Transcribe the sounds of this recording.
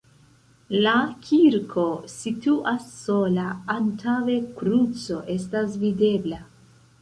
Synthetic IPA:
lakʰiɾkʰo̞situʔasːo̞laːntʰawe̞kɾut͡so̞ʔe̞stasvide̞bla

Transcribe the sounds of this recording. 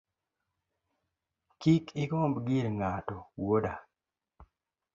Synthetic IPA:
kikʰɪkombɡiɾŋatɔwoda

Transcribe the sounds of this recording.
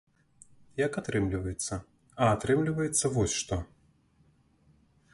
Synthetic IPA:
jɐkat̪ɾɨmlʲivɐjɛt̪sːɐ | ɐːt̪ɾɨmlʲivɐjɛt̪sːɐvɔsʲʂt̪ɔ

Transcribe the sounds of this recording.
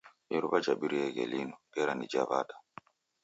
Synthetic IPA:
ɛɾuβad͡ʒaɓiɾijɛɡɛ̰linɔɓɛɾanid͡ʒaβa̰da

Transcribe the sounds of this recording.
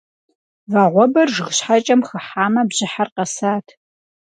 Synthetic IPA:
vaːʁʷɔbɐrʒʁɕħat͡ʃʼɐmχəħaːmɐbʑɪħarqɐsaːtʰ

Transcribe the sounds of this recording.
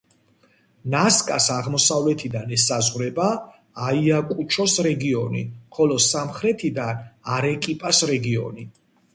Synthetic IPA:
naskʼasaʁmɔsavlɛt̪ʰid̪anɛsazʁɾɛba | aiakʼut͡ʃʰɔsɾɛɡiɔnḭχɔlɔsamχɾɛt̪ʰid̪anaɾɛkʼipʼasɾɛɡiɔ̰ni

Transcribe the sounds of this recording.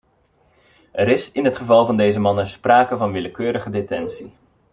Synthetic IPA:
ʔɛɾɪsɪnɦətχəvɑlˠvɑndejzəmɑnənspraːkəvɑnʋɪləkøːɾəχədetɛnsi

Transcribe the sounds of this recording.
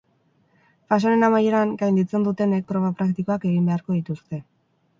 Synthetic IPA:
fas̬one̞namaje̞ɾaŋɡajnd̪it͡se̞nd̪ut̪e̞nek̚pɾo̞βapɾakt̪iko̞ake̞ɣimbe̞aɾko̞ðit̪ust̪e̞

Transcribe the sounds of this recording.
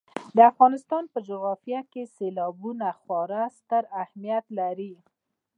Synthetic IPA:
d̪əafɣɑnɪst̪ɑnpəd͡ʒʊɣɑfijakeselɑbunaxwɑɾast̪əɾahmijat̪laɾi

